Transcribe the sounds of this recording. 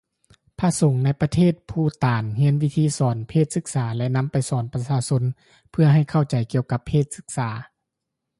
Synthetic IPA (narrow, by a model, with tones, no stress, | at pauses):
pʰaː˧˥so˨˩˦ŋna˧˥jpa˧t̪ʰeː˥˩t̪̚pʰuː˧˩t̪aː˨nɦi˧˥ənwi˧˥t̪ʰiː˧˥˨sɔː˩˦npʰeː˥˩t̪̚sɯ˧˥k̚saː˩˦lɛ˧ʔna˧˥mpa˨jsɔː˩˦npa˧saː˧˥so˧˥n | pʰɯ˧˩ɐɦa˧˩jkʰa˧˩wt͡ɕa˨˩jki˧əwka˧˦pʰːeː˥˩t̪̚sɯ˧˥k̚saː˩˦